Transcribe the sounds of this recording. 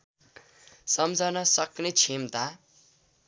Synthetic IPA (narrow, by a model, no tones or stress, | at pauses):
sʌmd͡zʱʌnʌsʌknet͡sʰimt̪a